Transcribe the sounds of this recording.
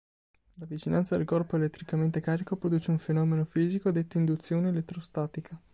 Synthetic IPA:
lavit͡ʃina̰nt̪sad̪elkɔrpoelet̪ːɾikament̪ekaːɾikopɾod̪uːt͡ʃeuɱfenɔːmenofiːzikod̪et̪ːoind̪ut̪sːjoːneelet̪ːɾost̪aːt̪ikʰa

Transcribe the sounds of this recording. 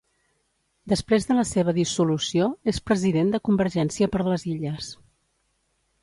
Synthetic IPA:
d̪əspɾezðələseβ̞əðisulusioespɾəziðend̪əkumbəɾʒɛnsiəpəɾləziʎəs

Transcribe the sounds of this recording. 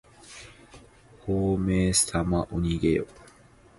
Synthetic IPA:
hoːmeːst̪amaʔuɲiɡejo̰

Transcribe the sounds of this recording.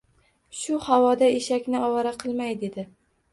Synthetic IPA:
ʃʊhawɒd̪aeʃakʲnɪɒwaɾaqʰɨlˠmajd̪e̞d̪ɪ

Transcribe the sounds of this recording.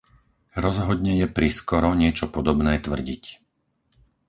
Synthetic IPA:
ɾɔzɦɔd̪ɲɛjɛpɾiskɔɾɔɲɪɛt͡ʃɔpɔd̪ɔbnɛːt̪ʋr̩ɟic

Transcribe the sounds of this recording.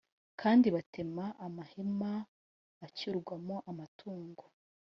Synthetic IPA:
kʰaːndiβate̞maʔːmahemaː | ciɾɡwamoʔamatʰuːŋɡo

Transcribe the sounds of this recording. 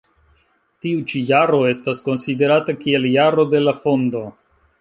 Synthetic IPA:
tiut͡ʃijaɾo̞e̞stasko̞nside̞ɾatakie̞ljaɾo̞de̞lafo̞ndo̞

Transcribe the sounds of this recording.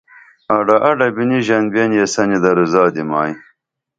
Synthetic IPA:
aɖɐʔɐɖɐbiniʑɐnbenjesɐnid̪ɐɾuzaːd̪imaːj

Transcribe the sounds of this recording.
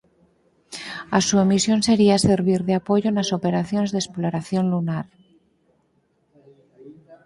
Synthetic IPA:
asuemisjo̞nse̞ɾiase̞ɾβ̞iɾðeapo̞ʝoenaso̞pe̞ɾaθjo̞ne̞zðe̞sploɾaθjo̞nlunaɾ

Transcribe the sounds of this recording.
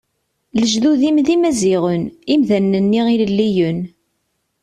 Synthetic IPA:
ləʒðuðimðimæziʁənimðænːənːiʁillːijən

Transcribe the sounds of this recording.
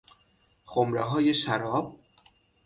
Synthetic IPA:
xomɾeɦɒːje̞ʃæɾɒːb̥̚

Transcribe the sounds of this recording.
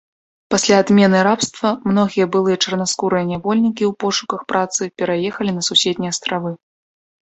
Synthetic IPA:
pasʲlʲaːd̪mʲɛnɨɾapst̪vɐmn̪ɔɣʲijɐbɨlˠɨjɐt͡ʂɐrnaskuɾɨjɐnʲavɔlʲnʲikʲiwpɔʂukɐxpɾʔat̪sɨpʲɛɾajɛxɐlʲinɐsusʲɛd̪ʲnʲijɐst̪ɾavɨ

